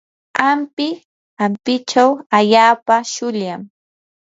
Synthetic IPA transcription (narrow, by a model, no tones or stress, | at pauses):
ampɪ | ampɪt͡ʃawaʎaːpaʃʊʎam